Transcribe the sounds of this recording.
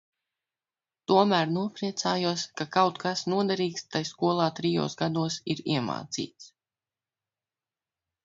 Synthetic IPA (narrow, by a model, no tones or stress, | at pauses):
t̪uɔmæːɾnuɔpɾiɛt̪saːjuɔskakawt̪kasnuɔd̪aɾiːkst̪ajskuɔlˠaːt̪ɾijo̰ːsɡad̪uɔsiɾḭɛma̰ːt̪sḭːt̪s